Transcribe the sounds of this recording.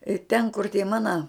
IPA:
ɪ tʲɛn kʊr tʲiɛ ˈmɑːnɐ

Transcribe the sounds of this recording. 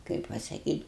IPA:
ˈkɐɪp pɐsɐkʲiːtʲ

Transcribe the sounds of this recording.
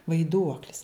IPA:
ʋɐɪˈduɔklʲɪs

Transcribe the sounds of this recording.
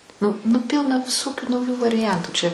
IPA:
ˈnʊ nʊ ˈpʲɪlˠnɐ ʋʲɪˈsoːkʲuː nɐʊˈjuː ʋɐrʲɪˈjɛntuː t͡ʃʲɛ

